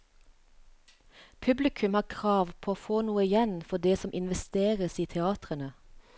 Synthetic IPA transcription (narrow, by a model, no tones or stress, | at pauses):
pʰʉblɪkʰʉmhɑːkʰʁɑːʋpʰoːoːfoːnuːəɪjɛnfɔd̪eːsɔmʔɪnʋɛst̪eːʁəsiːt̪ʰɛɑːt̪ʁənə